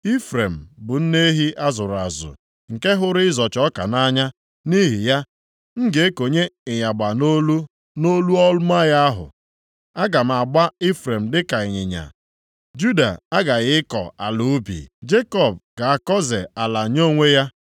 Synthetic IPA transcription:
i˦fɾe˨m̩˨bʊ˨n̩˦ne˦ɦi˦ʔa˦zʊ˨ɾa̰˨zʊ̰˨ | ŋ̩˨ke˦ɦʊ˦ɾɪ˦ɪ˦zɔ˨t͡ʃɔ˦ka̰˨na˦ɲa˦ | ni˦ɦi˨ja˦ | ŋ̩˦ɡe˨˦ko˨ɲe˦ɪ˨ɲa˨ɡ͡ba˨no˦l | no˦lu˦ɔ˦lʊ˦ma˦ja˦a˦ɦʊ̰˨ | a˦ɡa˨m̩˨a˨ɡ͡ba˦ɪ˦fɾe˨m̩˨dɪ˦ka˨ɪ˨ɲɪ˨ɲa̰˨ | d͡ʒu˦da̰˨a˦ɡa˨ɣɪ˦ɪ˦kɔ̰˨a̰˨lʊ˨˦bḭ˨d͡ʒe˦kɔ˦˨b̚ɡa˨a˨kɔ˦ze˨a˨la˨ɲo˦ŋʷe˦ja˦

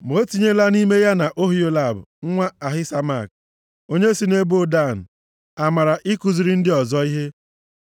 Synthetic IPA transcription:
m˨o˦ti˦ɲe˦la˦ni˦me˦ja˦na˨ʔo˦ɦi˦o˦la˦˨bʊ̰˨ŋ̩˦ŋʷa˦a˨ɦɪ˦sa˦ma˦˨k̚ | o˦ɲe˦si˦ne˦bo˦da˦˨n̩˨ | a˨ma˨ɾa˨ʔɪ˦ku˨zi˨ɾi˦n̩˦dɪ˦ɔ˨zɔ˦i˦ɦe˦

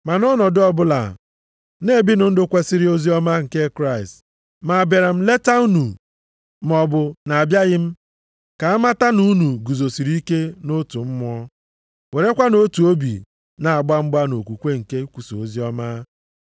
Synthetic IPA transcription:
ma˨nɔ˦nɔ˨dʊ˦ɔ˦bʊ˦la̰˨ | ne˦˨bi˦nʊ˨˦n̩˦dʊ˦kʷe˦si˦ɾi˦o˦zi˦ɔ˦ma˦ŋ̩˨ke˦kɾa˦˨ɪ˨st | ma˨be˨ɾa˨m̩˦le˦ta˦u˦nu˨ | m˨ɔ˨bʊ˨na˨a˨bja˦ɣɪ˦m̩˦ | ka˨a˦ma˦ta˦nu˦nu˨ɡu˨zo˨si˨ɾi˦ke˦no˦tu˨m̩˦m˦ɔ˦ | we˨ɾe˦kʷa˦no˦tu˨o˦bḭ˨ | na˨a˨ɡ͡ba˦m̩˦ɡ͡ba˦no˨kʷu˨kʷe˦ŋ̩˨ke˦kʷu˨so˨o˦zi˦ɔ˦ma˦

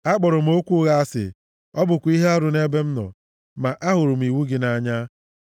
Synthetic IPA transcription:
a˦k͡pɔ˨ɾʊ˨m̩˦o˦kʷu˦ɣa˦a˦sɪ̰˨ | ɔ˦bʊ˨kʷi˦ɦe˦a˦ɾʊ˨ne˦be˦m̩˦nɔ̰˨ | ma˨ʔa˦ɦʊ˨ɾʊ˨m̩˨i˨wu˦ɡɪ˨na˦ɲa˦

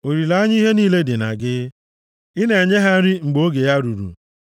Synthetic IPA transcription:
o˨ɾi˨la˦ɲ˦ɦe˦niː˦˨le˦dɪ˨na̰˨ɡɪ˦ | ɪ˦ne˨e˨ɲe˦ɦa˦ɾi˦ŋ͡m̩˨ɡ͡bo˨˦ɡe˨ja˦ɾṵ˨ɾṵ˨

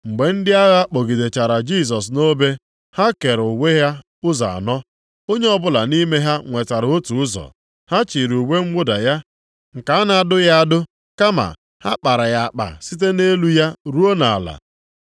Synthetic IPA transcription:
ŋ͡m̩˨ɡ͡be˨n̩˦dɪ˦a˦ɣa˦k͡po˨ɡi˨de˨t͡ʃa˨ɾa˨d͡ʒi˦˨s̬ɔ˨s̬no˦be˦ | ha˦ke˨ɾʊ˨we˦ɦa˦ | ʊ˦za̰˨a̰˨nɔ˦ | o˦ɲe˦ɔ˦bʊ˦la˨ni˦me˦ɦa˦ŋʷe˨ta˨ɾo˦tu˨ʊ˦zɔ̰˨ | ha˦t͡ʃi˨ɾu˨we˦ŋ͡m̩˦ɡ͡bʊ˦da˨ja˦ | ŋ̩˨ka˨˦a˦na˨˦dʊ˦ja˦a˦dʊ˦ | ka˦ma̰˨ | ha˦k͡pa˨ɾa˨ja˨a˨k͡pa̰˨si˦t̬e˦ne˦lu˦ja˦ɾu˦o˦na˨a̰˨la̰˨

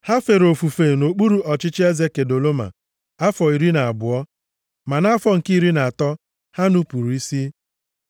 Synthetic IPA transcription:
ha˦fe˨ɾo˨fu˨fe˨no˨k͡pu˦ɾu˨ʔɔ˨t͡ʃɪ˦t͡ʃɪ˦e˦ze˦ke˨do˨lo˦ma̰˨ | a˦fɔ˨i˨ɾi˦na˨a˨bʊ˨ɔ˦ | ma˨na˦fɔ˦ŋ̩˨ki˦ɾi˦na˨a˨tɔ˦ | ha˦nu˦pu˨ɾu˨i˦si˦

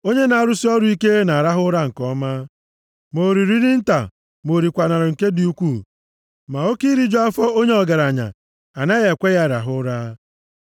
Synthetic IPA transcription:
o˦ɲe˦na˨a˨ɾʊ˦si˦ɔ˦ɾʊ˦i˦ke˦na˨ɾa˦ɦʊ˦ɾa˦ŋ̩˨kɔ˦ma˦ | mo˨ɾi˨ɾi˦ɾi˦n̩˦ta̰˨ | mo˨ɾi˨kʷa˨na˨ɾɔ˨ŋ̩˨ke˦di˨u˦kʷu˦˨ | ma˨o˦ki˦ɾi˦d͡ʒɔ˦a˦fɔ˦o˦ɲe˦ɔ˨ɡa˨ɾa˨ɲa̰˨ | a˨na˦ɣe˨kʷe˦ɣa˦˨ɾa̰˨ɦʊ˦ɾa˦

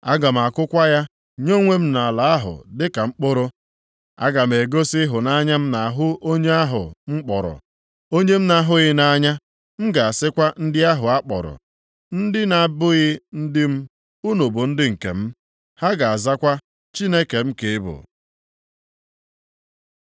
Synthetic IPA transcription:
a˦ɡa˨m̩˨a˨kʊ˦kʷa˦ja˦ | ɲo˦ŋʷe˦m̩˦na˨la˨a˦ɦʊ̰˨dɪ˦ka˨ŋ͡m̩˦k͡po˦ɾo˦ | a̰˦ɡa˨m̩˨e˨ɡo˦sɪ˦ɦʊ˨na˦ɲa˦m̩˦na˨a˨ɦʊ˦ʔo˦ɲe˦a˦ɦʊ̰˨ŋ͡m̩˦k͡pɔ̰˨ɾɔ̰˨ | o˦ɲe˦m̩˦na˦ɦʊ˦ɣɪ˦na˦ɲa˦ | m̩˦ɡa˨a˨sɪ˦kʷa˦n̩˦dɪ˦a˦ɦʊ˨a˦k͡pɔ̰˨ɾɔ̰˨ | n̩˦dɪ˦na˨bʊ˦ɣɪ˦n̩˦dɪ˦m̩˦ | u˦no˨bo˨n̩˦dɪ˦ŋ̩˨kḛ˨m̩˦ | ha˦ɡa˨a˨za˦kʷa˦ | t͡ʃi˦ne˦ke˨m̩˦ke˨ɪ˦bʊ̰˨

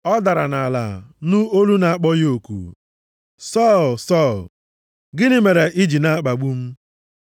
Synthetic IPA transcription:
ɔ˦da˨ɾa˨na˨la̰˨nu˦o˦lu˦na˨a˦k͡pɔ˦jo˨kṵ˨ | sɔ˦˨lsɔ˦˨l | ɡɪ˦nɪ˦me˨ɾe˨ʔi˦d͡ʒi˨na˦k͡pa˨ɡ͡bu˦m̩˦

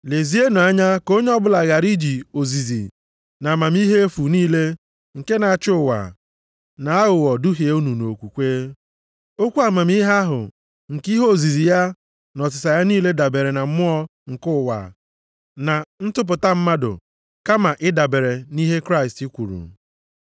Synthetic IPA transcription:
le˨zi˦e˦no˨a˦ɲa˦ko˦ɲe˦ɔ˦bʊ˦la˨ɣa˨ɾi˦d͡ʒi˨o˨zi˨zḭ˨ | na˨ma˨m˦i˦ɦe˦e˦fu˨niː˦le˦ | ŋ̩˨ke˦na˨a˨t͡ʃʊ˦ʊ˨wa̰˨ | na˨a˦ɣʊ˨wɔ˨dʊ˦ɦi˨e˦u˦nu˨no˨kʷu˨kʷeː˦ | o˦kʷu˦a˨ma˨m˦i˦ɦa˦ɦʊ̰˨ | ŋ̩˨ki˦ɦo˦o˨zi˨zi˨ja˦ | nɔ˨sɪ˨sa˨ja˦niː˦le˦da˨be˨ɾe˨na˨m̩˦mʊ˦ɔ˦ŋ̩˨kʊ˦˨wa̰˨ | na˨n̩˦tʊ˦p̬ʊ˨ta˦m̩˦ma˦dʊ̰˨ | ka˦ma˨ʔɪ˦da˨be˨ɾe˨ni˦ɦe˦kɾa˦ɪ˨sti˦kʷu˨ɾṵ˨

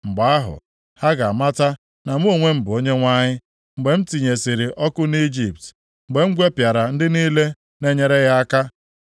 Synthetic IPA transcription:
ŋ͡m̩˨ɡ͡ba˨a˦ɦʊ̰˨ | ha˦ɡa˨a˨ma˦ta˦ | na˨m̩˦o˨ŋʷe˦m̩˨bʊ˨o˦ɲe˦ŋʷa˦ɲɪ˦ | ŋ͡m̩˨ɡ͡be˨m̩˦ti˨ɲe˨si˨ɾɪ˨ʔɔ˦kʊ˦ni˦d͡ʒi˨p̚t | ŋ͡m̩˨ɡ͡be˨ŋ͡m̩˦ɡʷe˦pja˨ɾa˨n̩˦dɪ˦niː˦le˦ | ne˦ɲe˨ɾe˦ɣa˦a˦ka˦

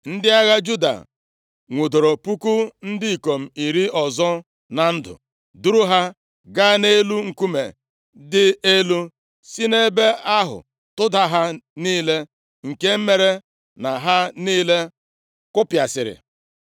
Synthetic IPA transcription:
n̩˦dɪ˦a˦ɣa˦d͡ʒu˦da̰˨ | ŋʷu˨do˨ɾo˨pu˦ku˦n̩˦dɪ˦i˨ko˨m̩˨i˨ɾi˦ɔ˨zɔ˦ | na˨n̩˦dʊ̰˨ | du˦ɾu˦ɦa˦ | ɡa˦ne˦lu˦ŋ̩˨ku˦mḛ˨ | dɪ˦e˦lu˦ | si˦ne˦be˦a˦ɦʊ̰˨ | tʊ˦da˦ɦa˦niː˦le˦ | ŋ̩˨ke˦m̩˦me˨ɾe˦ | na˨ɦa˦niː˦le˦ | kʊ˦pja˨sɪ̰˨ɾɪ̰˨

